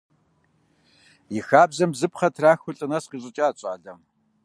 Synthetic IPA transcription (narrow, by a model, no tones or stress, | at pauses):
jɪxaːbzɐmzɨpχɐtʰraːxʷʊɬʼɨnɐsqiːɕʼɨt͡ʃʼaːt͡ɕʼa̰ːɮɐm